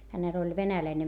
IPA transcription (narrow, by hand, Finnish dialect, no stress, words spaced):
hænel olʲ ʋenælæine